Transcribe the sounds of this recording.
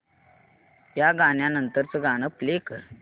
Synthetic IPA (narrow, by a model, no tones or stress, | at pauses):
jaɡaɳjanənt̪əɾt͡səɡañəplekə